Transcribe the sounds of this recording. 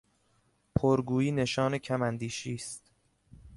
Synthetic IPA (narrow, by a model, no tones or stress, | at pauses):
pʰoɾɡuːiːne̞ʃɒːnecʰæmænd̪iːʃiːst̪